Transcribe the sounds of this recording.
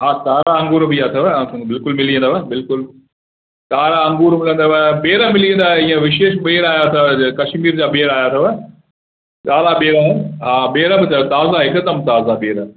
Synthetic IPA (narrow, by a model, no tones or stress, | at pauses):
ɦaːkaːɾaɐ̃ŋɡuːɾbijat̪ʰɐʋbɪlkʊlmɪlĩə̃nd̪aʋɐbɪlkʊl | kaːɾaɐ̃ŋɡuːɾmɪlə̃nd̪aʋɐɓeːɾəmɪlĩə̃nd̪aːɦiːə̃ʋɪʃeːʃɓeːɾaːjat̪ʰɐkɐʃmiːɾd͡ʑaːɓeːɾaːjat̪ʰɐʋ | kaːlaɓeːɾaɦũːɦaːɓeːɾəbɪt̪ɐt̪aːzaɦɪkd̪əmt̪aːzaɓeːɾə